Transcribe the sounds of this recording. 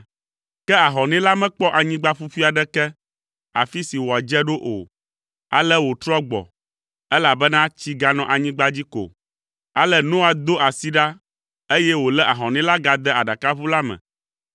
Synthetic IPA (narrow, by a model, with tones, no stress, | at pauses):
kɛ˦a˨ɦɔ̃˨nɛ̃˦la˦mɛ̃˦k͡pɔ˦ʔa˨ɲĩ˦ɡ͡ba˦ɸu˦fi˦a˨ɖɛ˦kɛ˦ | a̰˨fi˦si˨wɔ˨a˨d͡ʒɛ˦ɖo˦ʔo̰˨ | a̰˨lɛ˦wo˨t̪ɾɔ˦ɡ͡bɔ̰˨ | ɛ˦la˨bɛ˦nã˦t͡ɕi˦ɡa˦nɔ̃˨ʔa˨ɲĩ˦ɡ͡ba˦d͡ʑi˦ko̰˨ | a˦lɛ˦˨nũ˦a˨d̪o˦ʔa˨si˦ɖa˦ | e˦jɛ˦wo˨lɛ˦ʔa˨ɦɔ̃˨nɛ̃˦la˦ɡa˨d̪ɛ˦a˨ɖa˨ka˦βu˦la˦mɛ̰̃˨